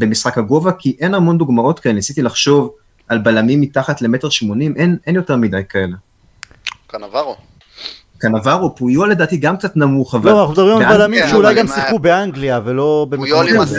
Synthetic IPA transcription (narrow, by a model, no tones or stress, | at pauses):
be̞misχakhaɡo̞vakiʔe̞namo̞nd̪uɡmao̞tkaelenisit̪ilaχʃo̞v | ʔalbalamimːitaχatle̞me̞te̞ʁʃmo̞nimʔenʔe̞njote̞ʁmidajkae̞le̞ | kanava | kanavaʁopujole̞daːt̪iɡamk̚t͡sat̪namuχavaoanaχnud̪abʁimabalamimʃeulajɡamsiχubeaŋɡliavelo̞be